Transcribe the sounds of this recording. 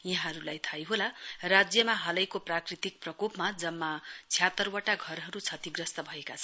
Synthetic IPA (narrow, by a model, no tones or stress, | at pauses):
jaɦãɾulajt̪ʰajɦolarad͡zjʌmaɦʌlʌjkoprakrit̪ik̚prʌkupmad͡zʌmːat͡sʰjat̪ʌrwʌʈaɡʱʌrɦʌɾut͡sʰʌt̪iɡrʌst̪ʌbʱʌekat͡sʰʌn